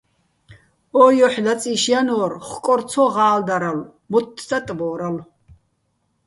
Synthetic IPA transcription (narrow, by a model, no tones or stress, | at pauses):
ɔːjɔħlat͡sʼiʃjanɔːrχkʼɔɾt͡sʰɔʁaːld̪aɾal | mɔt̪ʰːd̪at̪ʼbɔːɾal